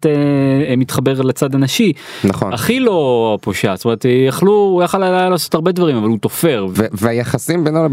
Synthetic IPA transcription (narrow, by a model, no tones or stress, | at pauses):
temit̪χabe̞ʁlat͡sad̪anaʃi | naχo̰naχilo̞poʃast̪omeet̪jaχluujaχalalajalaːsotaʁbe̞d̪vaʁimavalut̪o̞fe̞ʁvveajaχasimbenal